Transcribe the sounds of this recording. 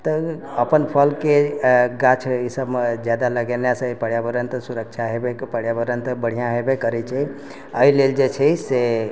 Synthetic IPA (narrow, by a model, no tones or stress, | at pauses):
t̪əəpənpʰəlkeɡãt͡ʃʰisəbd͡ʒjad̪aləɡeljasə̃ipəɽjabəɾənt̪suɾək̚t͡ʃʰaɦebepəɽjabəɾənt̪bəɽ̤ijãɦebekəɾɛt͡ʃʰɛ | əileld͡ʒet͡ʃʰɛse